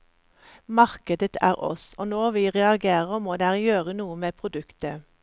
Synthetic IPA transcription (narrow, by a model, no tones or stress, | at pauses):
mɑʁkəd̪ət̪ʰæ̰ːʁʔɔ̰soːnɔʁʋiːʁɛɑɡeːʁəmoːd̪eːʁjøːʁənuːəmeːpʰʁʊd̪ʉkt̪ə